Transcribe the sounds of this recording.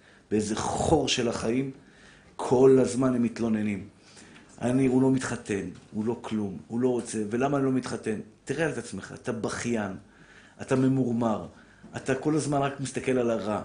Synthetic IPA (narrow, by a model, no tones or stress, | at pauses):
b̥eezeχo̞ʁʃe̞laχaim | kʰo̞lazmanemːit̪lo̞ne̞nim | ʔa̰niulo̞mit̪χate̞nulo̞klumulo̞ʁo̞t͡se̞ve̞lamaːnilo̞mit̪χate̞nt̪iʁealetat͡smeχa̰ːtabaχjan | ʔatame̞muʁmaʁ | at̪ako̞lazmanʁakmist̪ake̞lalaʁa